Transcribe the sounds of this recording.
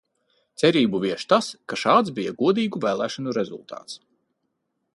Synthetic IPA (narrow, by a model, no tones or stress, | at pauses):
t̪sɛɾiːbuvʲiɛʃt̪askaʃaːd̪zbijaɡuɔd̪iːɡuvæːlˠæːʃanuɾɛzṵlˠt̪ʰɑ̰ːt̪s